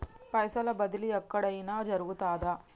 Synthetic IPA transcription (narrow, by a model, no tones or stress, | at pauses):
pɐjsɐlɐbɐd̪iliɛkːɐɽɐjinaːd͡ʒɐɾuɣut̪aːd̪aː